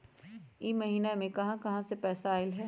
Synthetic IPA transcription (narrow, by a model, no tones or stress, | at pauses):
imɐɦiːnamẽkɐɦãkɐɦãsepɛːsaːɪlɦɛː